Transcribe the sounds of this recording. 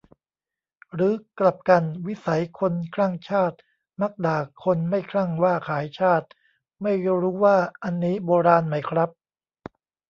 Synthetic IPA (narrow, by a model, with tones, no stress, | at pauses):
ɾɯː˨˦kla˨˩p̚ka˧nwi˦˥sa˩˦jkʰo˧nkʰlaː˥˩ŋt͡ɕʰaː˥˩t̪̚ | ma˦˥k̚daː˨˩kʰːo˧nma˥˩jkʰɾa˥˩ŋwaː˥˩kʰaː˩˦jt͡ɕʰaː˥˩t̪̚ | ma˥˩jɾuː˦˥waː˥˩ʔa˧nːiː˦˥boː˧ɾaː˧nma˦˥jkʰɾa˦˥p̚